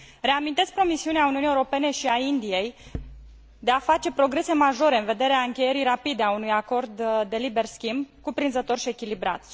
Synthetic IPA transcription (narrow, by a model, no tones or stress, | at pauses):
re̞amint̪e̞sk̚ʲpɾo̞misiuneauniunje̞uɾo̞pe̞ne̞ʃiaind̪ije̞j | d̪e̞afat͡ʃe̞pɾo̞ɡɾe̞se̞maʒo̞ɾe̞ɨnve̞d̪e̞ɾeaɨŋkʲe̞je̞ɾiɾapid̪eaunujako̞rd̪ːe̞libe̞rskʲimbkupɾinzət̪o̞rʃie̞kʲilibɾa̰t̪